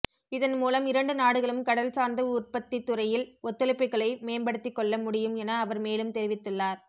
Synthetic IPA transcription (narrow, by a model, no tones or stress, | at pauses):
ɪðɐnmuːlɐmɪɾɐɳɖɯnaːɽɯɣɐɭɯmkɐɽɐlsaːɾnd̪ɐʊrpɐt̪ːit̪ːʊɾɐjɪlɔt̪ːɯlɪpːɪkːɐɭɐɪmeːnbɐɽɯt̪ːɪkːɔɭːɐmʊɽɪjɯmɛnɐːʋɐɾmeːlɯmt̪ɛɾɪʋɪt̪ːɯɭːaːɾ